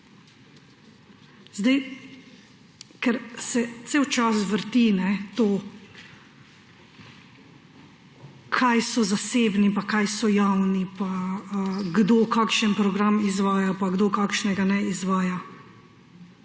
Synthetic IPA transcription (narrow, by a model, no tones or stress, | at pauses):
zd̪ɛj | kɛɾsɛt̪seːwt͡ʃasʋəɾt̪inɛt̪oː | kʰajsɔzaseːbnipakajsɔjawnipaəɡd̪oːkaːkʃənpɾɔɡɾamizʋaːjapaɡd̪oːkaːkʃnɛɡanɛizʋaːja